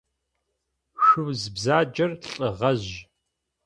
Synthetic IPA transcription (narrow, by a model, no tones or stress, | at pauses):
ʃʷʊwzbzaːd͡ʒɐrɬʼɨʁɐʑ